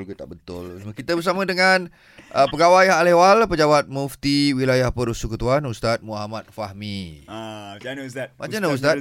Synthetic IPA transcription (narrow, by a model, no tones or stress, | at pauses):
lɡut̪aʔbət̪ʊlsmakit̪əbəɾs̬amə̃dəŋan | ʔəpəɡawajaɦalewalpəd͡ʒawat̪̚muft̪iwilajahpəɾusukət̪uanust̪at̪̚muɦamat̪̚fahmi | d͡ʒanst̚mad͡ʒanaust̪at̚